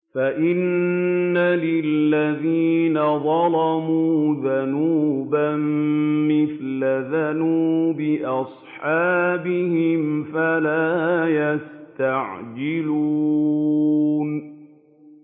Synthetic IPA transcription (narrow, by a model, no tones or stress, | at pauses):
faʔɪnː | alɪlːaðiːnaðˤɑlɑmuːðanuːbamːɪθlaðanuːbɪʔɑsˤħɑːbɪhɪmfalaːjast̪aʕd͡ʒɪluː | n